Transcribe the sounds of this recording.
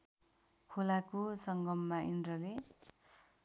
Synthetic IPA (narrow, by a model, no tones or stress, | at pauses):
kʰolakosʌŋɡʌmːainrʌle